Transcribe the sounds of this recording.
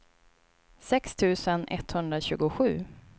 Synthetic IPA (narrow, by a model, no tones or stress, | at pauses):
sɛkst̪ʰʉ̟ːsənʔɛ̰t̪hɵnd̪ɾaɕʉ̟ːɡʊɧʉ̟ː